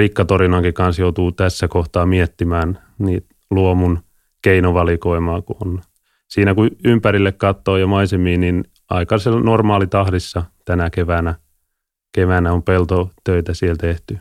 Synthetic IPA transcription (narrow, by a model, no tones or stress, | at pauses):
rikːɑt̪orinɑŋkikɑnsjout̪uːt̪æsːækoht̪ɑːmiet̪ːimæːn | niːt̪ | luomun | keinoʋɑlikoimɑːkuon | siːnækuympæɾilːekkɑt̪ːoːjɑmɑisemiːnnin | ɑ̰ikɑselnormɑːlit̪ɑhdisːɑt̪ænækeʋænæ | keʋænæompelt̪ot̪øit̪æsielt̪eht̪y